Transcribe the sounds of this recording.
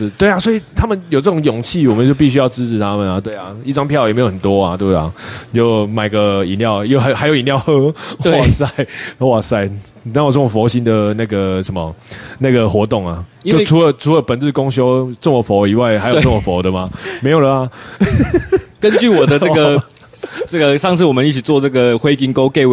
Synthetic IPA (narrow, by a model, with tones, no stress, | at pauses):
ʂ̩˥˨t̪we˥˩ɪa˨˩swɔ˥i˨˩t̪ʰa˥mə˨njo˨˩ʈ͡ʂɤ˥˩ʈ͡ʂʊ˧˥ŋjɔ˨˩ŋt͡ɕʰi˥˨wɔ˨˩mə˨nt͡ɕjʊp̬i˥˩ɕ̬y˥jɑ˥˩ʊʈ͡ʂɻ̩˦˥ʈ͡ʂ̩ʰ˨t̪ʰa˦mə˨na˨t̪we˥˩ɪa˩i˥˩ʈ͡ʂɑ˥ŋpʰjɑ˥˨ʊjme˧˥jo˨˩˨xə˨˩t̪wɔ˦a˨t̪wḛ˥˧˩t͡ɕjo˥˩ʊma˨˩ɪɡə˩i˨˩nljɑ˥˨ʊjo˥˧a˧xa˧˥ɪjʊi˨njɑ˥˧ʊhɤ˦xwa˩˥˧sa˥˩ɪxwa˥˧˩sa˥˩ɪ | na˥˩ŋo˥˩t͡sə˥˩mə˩fɔ˧˥ʊɕi˦˥nd̪ə˨na˥˩ɡə˩ʂə˧˦nmə˨na˥˩ɡə˩xwɔ˧˥t̪o˥˩ŋa˩t͡ɕo˥ʊʈ͡ʂʰu˧˥lə˨˦ʈ͡ʂʰu˦lə˧˦pə˨˩nt͡sɹ̩˥˩kʊ˥˦ŋɕ̬jo˦ʊʈ͡ʂə˥˩mə˨fɔ˧˥˦i˨˩wa˥˩ɪxha˧˥ɪjt͡sə˥˩mə˨˩fo˨˦ʊd̪ə˨ma˨˩me˧˥ɪjo˨˩d̪ə˨˩a˨ | kə˦nt͡ɕy˥˨wɔ˨˩d̪ə˦ə˥˧˩ɡə˨ | ʈ͡ʂə˥˩ɡə˨ʂɑ˥˧ŋt͡s̩ʰ˥˩wɔ˨˩mə˦ni˥˩t͡ɕʰi˨˩t͡swɔ˥˧ʈ͡ʂə˥˩ɡə˨xwe˥ɪki˧˥ŋko˥ʊke˥˧˩ɪ